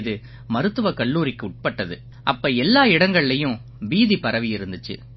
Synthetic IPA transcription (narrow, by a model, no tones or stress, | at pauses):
ðɯ | mɐɾɯt̪ːɯʋɐkɐɭːuːɾɪkːɯʊʈ̚pɐʈːɐðɯ | ʔɐpːɐːɛlːaːɪɽɐŋɡɐɭɪlɐjʊ̃ | ʋiːðipɐɾɐʋɪjɪɾɯnd̪ɯt͡ʃːɯ̰